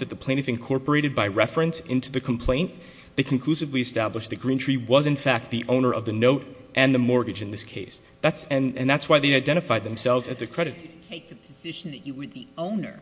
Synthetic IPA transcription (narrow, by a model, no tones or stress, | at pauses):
ðɨt̪̚ðəpʰl̥ẽɪ̃nɨvɨ̃nkʰɔɹpə˞eɪɾɨd̚baɪɹɛfɹɨ̃nsɪ̃ntʰʉðɨkʰm̩pʰl̥ẽɪ̃n | ðeɪkʰɨ̃n̩kʰl̥ʉsɨvliɨstæbləʃðɨt̚ɡ̥ɹĩntʰɹ̥iwʌzɨ̃nfæk̚t̪̚ðiʔõʊ̃nə˞ʔʌvðɨnoʊɾʔɨ̃nðɨmɔɹɡɨd͡ʒɨ̃nðɪskʰeɪs | ðætsɨ̃nɨ̃nðætswaɪðeɪaɪdɛ̃ɾ̃ɨfaɪd̪̚ðɨ̃m̩sɛlˠvzɨt̪̚ðɨkʰɹ̥ɛɾɨtʰeɪk̚ðɨpʰɨzɪʃn̩ðɨt͡ʃɨwə˞ðiõʊ̃nə̰˞